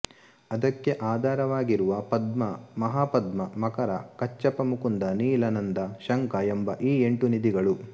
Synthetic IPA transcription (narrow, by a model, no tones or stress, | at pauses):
ɐd̪ɐkːe̞ʔaːd̪ʱaːɾɐʋaːɡiɾuʋɐpɐd̪mɐmɐɦaːpɐd̪mɐmɐkɐɾɐkɐt͡ʃːɐpɐmukund̪ɐniːlɐnɐnd̪ɐʃɐŋkɐembɐʔiːe̞ɳʈunid̪iɡɐɭu